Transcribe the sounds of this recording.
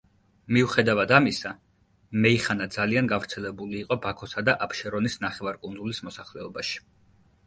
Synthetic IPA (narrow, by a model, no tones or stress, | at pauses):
miuχɛd̪avad̪amisa | mɛiχanad̪zalianɡavɾt̪sʰɛlɛbuliːqʼɔbakʰɔsad̪aʔapʃɛɾɔnisnaχɛvaɾkʼund̪zulismɔsaχlɛɔbaʃi̥